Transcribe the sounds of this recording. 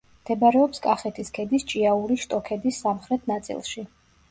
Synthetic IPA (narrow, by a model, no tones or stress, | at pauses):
md̪̥ɛbaɾɛɔpskʼaχɛt̪ʰiskʰɛd̪ist͡ʃʼiauɾiʃt̪ʼɔkʰɛd̪isːamχɾɛt̪ʰnat̪sʼḭlˠʃi